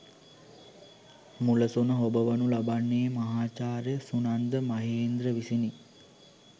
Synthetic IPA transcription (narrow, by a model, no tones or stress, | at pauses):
muləsunəɦobəʋənulabanːeːmɐɦaːt͡ʃaːɾjəsunand̪əmaɦeːnd̪ɾəʋisini